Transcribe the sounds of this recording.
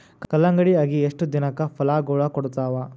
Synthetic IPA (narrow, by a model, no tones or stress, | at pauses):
kkɐlːɐŋɡɐɽiaːɡieʂʈud̪inɐkːɐpʰɐlaːɡoːɭakɔɽut̪aːʋɐ